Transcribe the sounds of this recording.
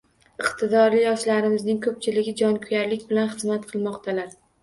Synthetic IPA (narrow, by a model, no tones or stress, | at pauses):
ɪqt̪ʰɪd̪ɒɾlɪjɒʃlaɾɪmɪznɪŋkʰɵp̚t͡ʃʰɪlɪɡʲɪd͡ʒɒnkʰʊjaɾlɪkʲbɪlanχɨzmat̪qʰɨlˠmɒqt̪ʰalaɾ